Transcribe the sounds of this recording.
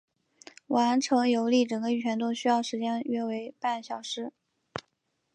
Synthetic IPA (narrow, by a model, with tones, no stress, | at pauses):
wa˧˥nʈ͡ʂʰɤ˧˥ŋjo˧˥ʊli˥˩ʈ͡ʂɤ˨˩ŋɡə˦y˨˩t͡ɕʰɥɛ˧˥nt̪o˥ʊɕy˥jɑ˥˩ʊʂɻ̩˧˥t͡ɕjɛ˥nɥɛ˥˩we˧˥ɪpa˥˩nɕjɑ˨˩ʊʂɻ̩˥